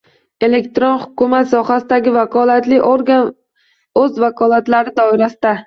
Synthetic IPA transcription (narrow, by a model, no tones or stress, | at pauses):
e̞le̞kt̪ɾonhʊkʊmat̪sɒχasɪd̪aɡʲɪvakʰɒlat̪lɪʔoɾɡan | ɵzvakʰɒlˠat̪laɾɪd̪ɒɪɾasɪd̪a